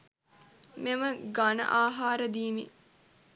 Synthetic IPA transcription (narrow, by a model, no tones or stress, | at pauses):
meməɡanə̰ʔaːɦaːɾəd̪iːmḛ